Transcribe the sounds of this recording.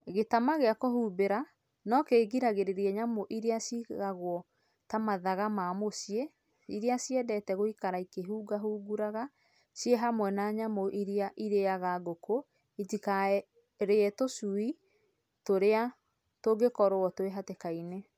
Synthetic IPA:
ɣetamaɣeakohuːbeɾa | nɔkeːɡiɾaɣeɾeɾiɛɲamoʔiɾeasiɣaɣwɔ | tamaðaɣamamosie | iɾeasiɛdɛtɛɣoikaɾaikeɦuːɡaɦuːɡuɾaɣa | sjeɦamwɛnaɲamoʔiɾeaʔiɾejaɣaɡoko | itika | ɾeɛtosui | toɾea | toɡekɔɾowɔtoeɦatekaine

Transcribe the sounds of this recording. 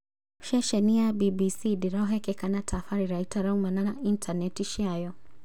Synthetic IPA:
ʃɛʃɛniabibisidiɾɔɦɛkɛkanatʰafaɾiɾaitʰaɾaumanaaʔintʰanɛtiʃiajɔ

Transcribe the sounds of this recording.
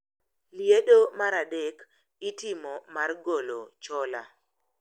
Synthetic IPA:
ljedomaɾadek | itɪmɔmarɡolo̰t͡ʃɔla̰

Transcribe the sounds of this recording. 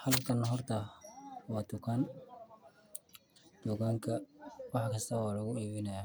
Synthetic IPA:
ħɑlbkʰɐnɦɔrt̪ʰɐwɑːt̪ʊkʰɐn | d̪̥ʊɣaːŋkʰɐwɑħkʰɐst̪ʰɐwɑːlɐɣʊiːβɪnɐja

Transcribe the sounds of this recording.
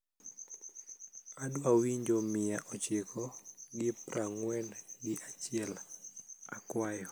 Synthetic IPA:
adwawiɲd͡ʒomɪjaʔɔt͡ʃɪkʰɔɡɪpɾʔaŋwɛnɡɪʔat͡ʃɪɛl | akwajɔ

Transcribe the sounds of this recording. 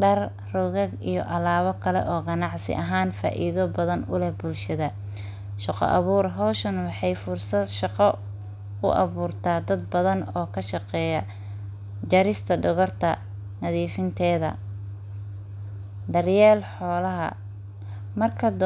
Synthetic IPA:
ɖɐr | rɔɣɐɡijɔ̰ʔɐlaːβɔkʰɐlɛ̰ʔɔːɡɐnɑʕsɪ̰ʔɐɦaːnfa̰ːʔḭðɔbɐðɐnʊlɛhbʊlʃɐðɐ | ʃɑqɔ̰ʔɑβuːrɦɔwʃɐnwɑħɑjfʊrsɐd̪ʃɑqɑ | ʊ̰ʔɑ̰βuːrt̪ʰaːd̪ɐd̪̚bɐðɐnɔːkʰɐʃɑqɛːjɐ | d͡ʒɐɾɪst̪ʰɐɖʊɣɔrt̪ʰɐ̰ | nɐðiːfɪnt̪ʰɛːðɐ̰ | d̪ɐrjɛːlħɔːlɐɦɐ̰ | mɐrkʰɐd̪

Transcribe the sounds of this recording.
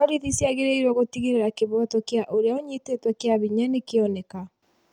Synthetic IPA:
aɾiðisjaɣeɾeiɾwɔɣotiɣeɾeɾakeβwɔtɔkeaʔoɾeaoɲitetwɛkeaβiɲanekeɔnɛka

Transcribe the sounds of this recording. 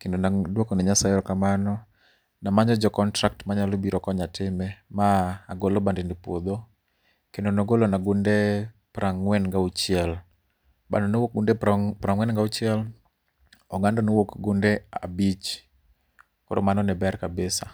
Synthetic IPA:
kendonadwokonɛɲasaiɾɔkamanɔ | namaɲɔd͡ʒɔkɔntɾak̚tmaɲalobiɾɔkɔɲatɪmɛmaːɡolobandindipwod̪o | kendonoɡolonaɡʊndɛ | pɾʔaŋwɛnŋɡaut͡ʃɪɛl | ba̰ndɔnowok̚ɡundɛpɾaŋwɛnŋɡaut͡ʃɪɛl | ɔɡandɔnowokɡundɛa̰bit͡ʃ | koɾomanɔnɛbɛrkabɪsa

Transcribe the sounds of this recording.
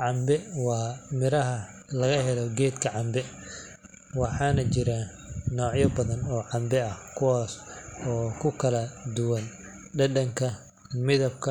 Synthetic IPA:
ʕɑmbɛwɑːmɪɾɐɦɐ | lɐɣɐɦɛlɔɡɛːd̪kʰɐʕɑmbɛ | wɑħɑːnɐt͡ʃɪɾaː | nɔːʕjɐbɐðɐnɔːʕɑmbɛɐhkʰʊwɑːsɔːkʰʊkʰɐlɐd̪ʊwɐn | ɖɐdɐŋkʰɐ | mɪðɐb̚kʰɐ

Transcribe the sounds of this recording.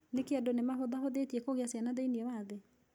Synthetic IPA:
nekeadonemaɦoðahoðetiɛkoɣeasjanaðeiniɛwaðe

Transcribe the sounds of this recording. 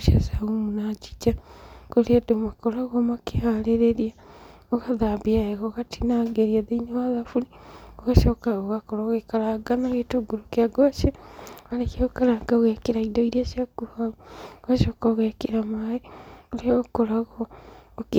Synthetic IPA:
uʃasaumunat͡ʃi̥t͡ʃakoɾiadomakoɾaɣomakehaleɾeɾia | oɣaðambiaeɣoɣatʰinaɡeɾiaðeinawaðafulioɣaʃokaoɣakoɾaɣekaɾaɡanaɣetuɡuɾokiaɡoʃeɣalekeokaɾaɡaɣekiɾaidoiɾiaʃjaɡuhaooɣaʃokaɣekiɾamaeoliaokoɾaɣoːk

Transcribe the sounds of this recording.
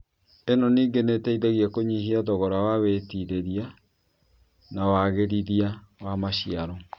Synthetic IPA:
enɔniːŋɡenetɛiðɛɣiakoɲiɦiaðɔɣɔɾawawetiɾeɾia | nawaɣeɾiðiawamaɕiaɾɔ

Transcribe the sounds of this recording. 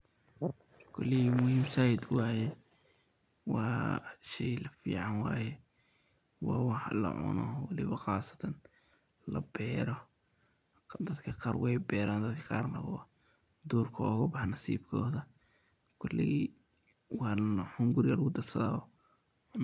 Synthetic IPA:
kʰʊlːɪɣimʊhiːmsajɪd̪wɑːjɛ | wɑ̰ːʃɛjlɐfḭːʕɑnwɑːjɛ | wɑ̰ːwɑħlɐ̰ʕʊ̰nɔwɐlɪβɐxɑːsɐ̥t̪ʰɐn | lɐ̰bɛːɾɔ | d̪ɐd̪kʰɐqɑːrwɛjbɛːɾaːnd̪ɐd̪kʰɐ̥qɑːrnɐ̰wɑ | d̪uːrkʰɐɔːɣʊbɑħɑnɐsḭːbkʰɔːðɐ | kʰʊlːḭi | wɑħʊŋɡʊɾɪɣɐlɐɣʊd̪ɐrsɐða̰ɔ

